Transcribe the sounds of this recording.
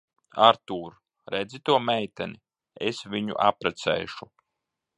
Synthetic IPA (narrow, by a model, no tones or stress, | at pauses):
aɾt̪uːɾ | ɾɛd̪zit̪uɔmɛjt̪æni | esvʲiɲṵʔapɾɛt̪sɛ̰jʃu